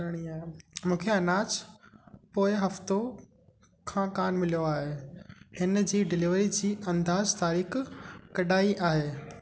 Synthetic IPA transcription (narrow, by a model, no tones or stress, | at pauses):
ɾəɽ̃iaːɦemũːkʰeɐnaːt͡ɕ | poːɪɦɐft̪o | kʰãːkaːnmɪlijoaːɦeːhɪnd͡ʑiːɖɪliʋɾid͡ʑiːʔɐ̃nd̪aːzt̪aːɾiːxkɐɗaːiʔaːɦeː